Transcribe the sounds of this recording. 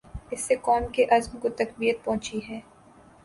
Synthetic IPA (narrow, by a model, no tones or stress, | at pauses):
ɪsːekɔːmkeʔɐzmkot̪ɐkbijət̪̚pɐ̃ɦʊ̃t͡ʃiɦɛː